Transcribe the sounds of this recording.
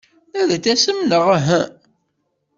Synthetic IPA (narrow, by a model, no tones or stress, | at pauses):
æðæt͡sːæsəmnəʁaɦæ